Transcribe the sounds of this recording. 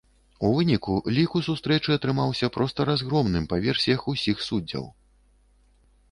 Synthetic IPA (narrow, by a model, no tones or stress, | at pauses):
uvɨnʲikulʲikusust̪ɾɛt͡ʂɨɐt̪ɾɨmawsʲɐpɾɔst̪ɐɾazɣɾɔmnɨmpavʲɛrsʲijɐxusʲixsud͡zʲːɐ̰w